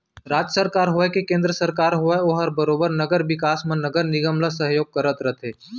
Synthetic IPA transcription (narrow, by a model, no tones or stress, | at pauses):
ɾaːd͡ʒəsəɾkaːɾɦoekekẽːnd̪ɾəsəɾkaːɾɦoeoːɦɐɾbəɾoːbəɾnɐɡəɾʋɪkaːsmə̃nɐɡəɾnɪɡəmləs̬ɐɦjoːɡ̚kɐɾət̪ɾət̪ɦeː